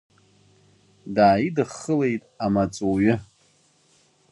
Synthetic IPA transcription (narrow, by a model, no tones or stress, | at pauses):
daːidɨχːəle̞jtʼamat͡sʼoɥɪ